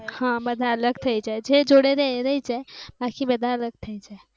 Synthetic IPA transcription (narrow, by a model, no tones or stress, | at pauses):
hãbəd̪ʱaələɡt̪ʰəjt͡ʃɛd͡ʒed͡ʒoɽeɾeɾəit͡ʃɛbakibəd̪ʱaələɡ̚t̪ʰəit͡ʃɛ